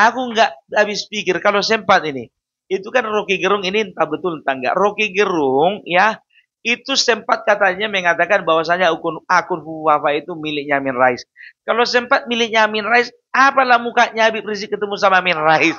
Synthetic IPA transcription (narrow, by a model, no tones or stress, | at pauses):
akuŋɡaʔabɪspikɪrkalosɛmpat̪̚ini | it̪ukanrokiɡəɾʊŋinint̪abət̪ʊlnt̪aŋɡa̰ʔrokiɡəɾʊŋja | it̪usɛmpat̪̚kat̪aɲamɛŋat̪akanbawas̬aɲaukʊnakʊnfuafait̪umilɪʔ̚ɲamɪnraɪskalosɛmpat̪̚milɪʔɲamɪnraɪs | apalahmukaʔɲabipɾis̬ɪkːət̪əmus̬amamɪnraɪs